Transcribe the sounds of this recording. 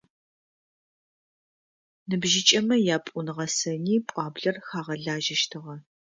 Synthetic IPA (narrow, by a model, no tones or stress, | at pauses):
nɨbʒɪt͡ʃʼɐmɐjaːpʷʼʊnʁɐsɐniːpʷʼɑːbɮɐrxaːʁɐɮaːʒɐʃtʰɨʁɐ